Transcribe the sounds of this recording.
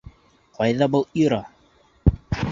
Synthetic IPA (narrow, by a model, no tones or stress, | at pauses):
qɑjðɑbɤlˠiɾɑ